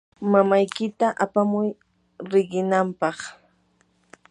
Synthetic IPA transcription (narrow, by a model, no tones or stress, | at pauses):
mamajkɪt̪aʔapamʊj | ɾɪɢɪnampɑχ